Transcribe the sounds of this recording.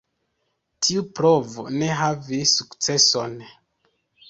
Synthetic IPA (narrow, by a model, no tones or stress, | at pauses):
tʰiupɾo̞vo̰ne̞ɦavisukt͡se̞so̞n